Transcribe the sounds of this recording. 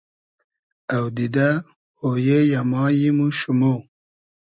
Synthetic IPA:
awd̪id̪a | ojejamɑːjimuʃumo

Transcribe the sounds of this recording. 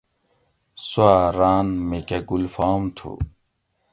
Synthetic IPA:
suaːɾaːnmekeɡulfaːmt̪ʰṵ

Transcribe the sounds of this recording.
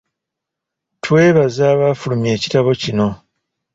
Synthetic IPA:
twe̞ːβazaːβafulumje̞ːci̥taβo̞cino̞

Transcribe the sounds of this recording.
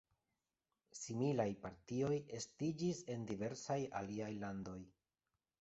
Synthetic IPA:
similajpaɾtio̞je̞stid͡ʒise̞ndive̞ɾsaja̰liajlando̞j

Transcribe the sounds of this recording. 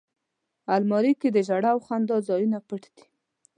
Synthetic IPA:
almɑɾiked̪əʒaɽawxand̪ɑzɑjunapəʈd̪̥i̥

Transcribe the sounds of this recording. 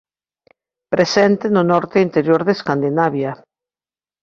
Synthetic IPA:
pɾesɛnt̪enʊnɔɾt̪eint̪eɾjoɾðeskand̪inaβja

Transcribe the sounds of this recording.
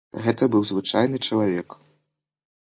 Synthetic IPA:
ɣɛt̪ɐbɨwzvɨt͡ʂajnɨt͡ʂɐlˠavʲɛk

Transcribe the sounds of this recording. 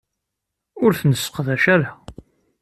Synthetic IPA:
ʊɾθnəsːə̥qðæʃæɾa

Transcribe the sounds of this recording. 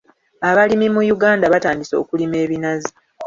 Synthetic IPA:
aβalimimujuɡaːndaβataːndiso̞̰ːkulime̞ːβinazi

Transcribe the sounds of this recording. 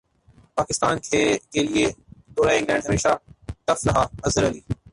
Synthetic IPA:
paːkɪst̪aːnkʰekelied̪oːɾaɪ̃ŋɡlɛ̃ːɳɖɦɐmeːʃaʈ̪ɐfɾɐɦaɐzəɾɐliː

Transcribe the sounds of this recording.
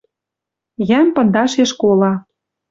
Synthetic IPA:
jæmpɤ̆nd̪ɑʃeʃkolɑ

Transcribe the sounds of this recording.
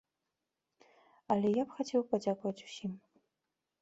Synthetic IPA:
ɐlʲɛjapxat͡sʲɛwpad͡zʲakuvɐt͡sʲu̥sʲim

